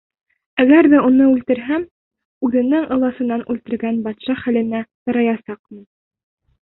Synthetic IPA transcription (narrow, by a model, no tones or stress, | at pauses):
æɡæɾðæunɤʉlt̪ɘ̆ɾɦæm | ʉðɘ̆nɘŋʔɤ̆lˠɑsɤ̆nːɑnʉlt̪ɘ̆ɾɡænbɑt̪ʃɑχælɘ̆næt̪ɤ̆ɾɑjɑsɑq̚mɤ̆n